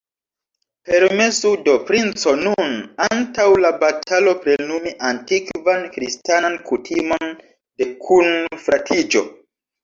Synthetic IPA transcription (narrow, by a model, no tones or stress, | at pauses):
pe̞ɾme̞sudo̞pɾint͡so̞nunantawlabatʰalo̞pɾenumiʔantikvankɾistanankutʰimo̞n | de̞kʰunfɾatʰid͡ʒo̞̰